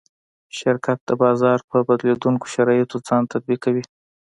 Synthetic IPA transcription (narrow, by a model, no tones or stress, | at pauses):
ʃɪɾkʰat̪̚d̪̥əbɑzɑɾpəbad̪led̪uŋko̥ʃaɾɑjɪt̪od͡zɑnt̪ad̪̚bikːawi